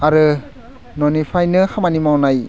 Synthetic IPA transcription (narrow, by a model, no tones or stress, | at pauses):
aɾɯ | nɔnipʰajnɯhamanimawnaj